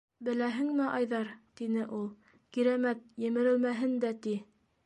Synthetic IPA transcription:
bɘ̆læɦɘŋmɘʔɑjðɑɾt̪inɘʔulˠ | kiɾæmæt̪̚jɘ̆mɘ̆ɾɘ̆lmæɦɘnd̪æt̪i

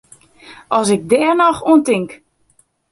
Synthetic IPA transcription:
ʔɔsɪk̚dɛːrnɔxuəntɪŋk

